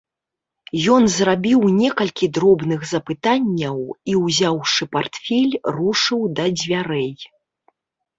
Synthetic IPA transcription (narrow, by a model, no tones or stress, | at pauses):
jɔnzrabʲiwnʲɛkɐlʲkʲid̪ɾɔbnɨɣzɐpɨt̪anʲːɐwiwzʲawʂɨpart̪fʲɛlʲruʂɨwd̪ɐd͡zʲvʲaɾɛj